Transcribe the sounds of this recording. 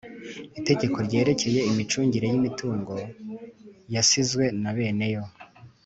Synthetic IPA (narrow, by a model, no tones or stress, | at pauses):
ite̞ɟe̞kʰo̞ɾɟe̞ːɾe̞ce̞je̞imit͡ʃuːɲɟiɾe̞jimituːŋɡo̞ | jasizɡwe̞naβe̞ːne̞jo̞